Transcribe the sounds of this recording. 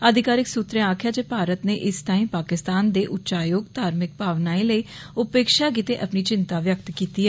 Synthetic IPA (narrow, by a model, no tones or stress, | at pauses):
əd̪ʱɪkaːɾɪksut̪ɾẽːaːkʰjaːd͡ʒeːpaːɾət̪neːʔɪst̪aːĩːpaːkɪst̪aːnd̪eːʔʊtːt͡ʃaːjoːɡt̪aːɾmɪk̚paːʋnaːĩːləiː | ʊpeːkʃaːk̬it̪eːʔəpniːt͡ʃɪnt̪aːʋjəkt̪kiːt̪iːɦɛ